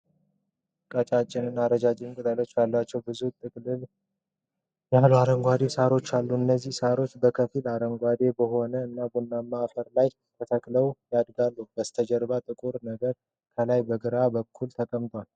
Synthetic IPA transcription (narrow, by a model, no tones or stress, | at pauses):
kʼət͡ʃʼat͡ʃʼːɪnɨnːaɾəd͡ʒad͡ʒʼɪnkʼut̪ʼəlot͡ʃːbalːat͡ʃːɛwbɨzut̪ʼɨkʼlɨl | jaluaɾəŋɡʷad̪e̞saɾo̞t͡ʃːalːuɨnːəzːihsaɾo̞t͡ʃːbəkʰəfilaɾəŋɡʷad̪e̞bəho̞nəɨnːabunːamːafəɾlaj | t̪ʰət̪ʰəkʼləwjad̪ɡalːub̥əst̪ʰəd͡ʒəɾβat̪ʼɨkʼuɾnəɡəɾ | kʰəlajbəɡɨɾabəkʰːult̪ʰəkʼəmt̪ʼwal